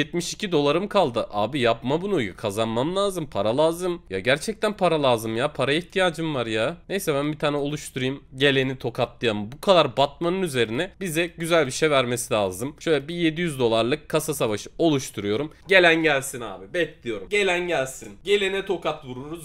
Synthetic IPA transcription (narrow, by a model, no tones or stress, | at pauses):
jɛt̪miʃi̥cʰid̪o̞lˠaɾɯmkʰalˠd̪ɯʔa̰ːbijapmabunujkʰazanmamlˠaːzɯmpʰaɾalˠaːzɯmjaɟæɾt͡ʃʰɛc̚t̪ʰænpʰaɾalˠaːzɯmjapʰaɾaiçt̪ʰijaːd͡ʒɯmvaɾjanejsɛbænbit̪ʰaːnɛo̞lˠuʃt̪ʰuɾujumɟe̞lʲenit̪ʰo̞kʰat̪lˠɯjamɯbukʰad̪aɾbat̪̚manɯnyze̞ɾinɛbizɛɟyzælʲbiʃejvæɾme̞silʲaːzɯmʃø̞jlʲɛbije̞d̪ijyzd̪o̞lˠaɾlˠɯkkʰːasasavaʃɯ̥o̞lˠuʃt̪ʰuɾujo̞ɾumɟe̞lʲænɟælʲsina̰ːbibɛclʲijo̞ɾumɟe̞lʲænɟælʲsinɟe̞lʲenit̪ʰo̞kat̪vuɾuɾuz